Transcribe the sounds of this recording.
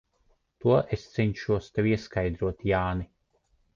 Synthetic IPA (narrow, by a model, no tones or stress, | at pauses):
t̪uɔʔest̪sɛɲʲʃuɔst̪ewiɛskajd̪ɾuɔt̪jaːni